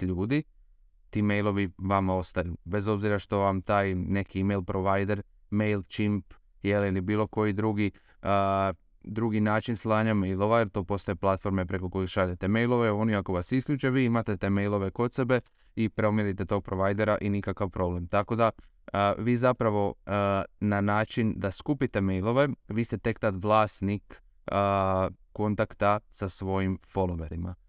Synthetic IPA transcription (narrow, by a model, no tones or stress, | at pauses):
ʎuːd̪i | t̪ime̞jlˠo̞ʋiʋamo̞st̪ajube̞zo̞bziɾaʃt̪o̞ʋamt̪aːjne̞kimejlpɾoʋajd̪e̞ɾ | me̞jlt͡ʃimp | jelilibiːlˠo̞ko̞jid̪ɾuɡi | ə | d̪ɾuɡinaːt͡ʃinslˠaːɲame̞jlˠo̞ʋajeɾt̪o̞ːpo̞st̪ojeplˠat̪fo̞ɾme̞pɾe̞ko̞ko̞jikʃaʎet̪e̞me̞jlˠo̞ʋeo̞niako̞ʋasiskʎʲuːt͡ʃeʋiimat̪e̞t̪e̞me̞jlˠo̞ʋe̞ko̞t̪se̞be̞ | ipɾeomjeɾit̪et̪o̞ɡ̚pɾo̞ʋajd̪e̞ɾaʔinikakaʋpɾo̞ble̞mt̪ako̞d̪a | ʋiːzapɾaʋo̞ | nanaːt͡ʃind̪askupit̪e̞me̞jlˠo̞ʋe̞ʋiːst̪e̞t̪e̞kt̪at̪ʋlˠaːst̪nikː | kːo̞nt̪akt̪asasʋo̞jimfo̞lˠoʋeɾima̰